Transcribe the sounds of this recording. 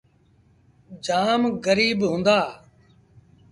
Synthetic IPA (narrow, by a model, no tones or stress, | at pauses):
d͡ʒaːmɣəɾiːbɦʊ̃ːnd̪aː